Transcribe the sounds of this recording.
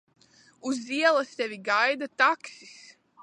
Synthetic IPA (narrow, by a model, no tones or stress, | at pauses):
uziɛlˠast̪ɛvʲiɡajd̪at̪aksis